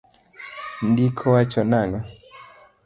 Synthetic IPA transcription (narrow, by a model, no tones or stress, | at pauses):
ndikʰɔwat͡ʃɔnaŋɔ